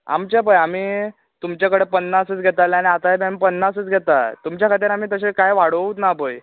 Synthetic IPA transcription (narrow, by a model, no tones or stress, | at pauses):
a̰mt͡ɕapəjamiː | t̪umt͡ɕjakəɽepənːasət͡sɡʱɛt̪aleaɽ̃iat̪aabamiːpənːasət͡sɡʱɛt̪at̪umt͡ɕjakʰat̪̬iːɾam̤iːt̪əɕekajʋaɽ̤ut̪nabəj